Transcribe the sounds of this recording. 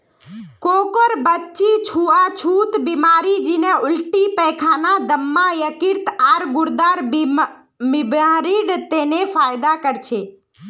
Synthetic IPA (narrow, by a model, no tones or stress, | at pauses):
koːkəɾbətːt͡ʃit͡ʃʰuat͡ʃʰut̪bimaːɾid͡ʒineʊlʈipɛkʰanad̪əmːãjəkɪɾt̪aːɾɡʊɾd̪aːɾ | mɪbãɾiɖt̪enefaːjd̪akəɾt͡ʃʰe